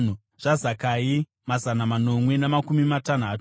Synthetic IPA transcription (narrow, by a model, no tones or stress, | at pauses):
n̤u | ʐ̥azakai | mazanamano̞mwe̞namakumimatan̤aːtu̥